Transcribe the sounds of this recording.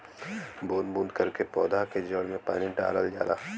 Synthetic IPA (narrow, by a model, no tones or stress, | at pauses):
boːnbũːnd̪kɐɾkepɔːd̪aked͡ʒəɽmẽpa̰ːniɖa̰ːləld͡ʒa̰ːla̰ː